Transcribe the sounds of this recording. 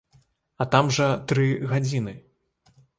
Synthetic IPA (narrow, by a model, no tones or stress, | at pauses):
ɐt̪amʐɐt̪ɾɨɣad͡zʲinɨ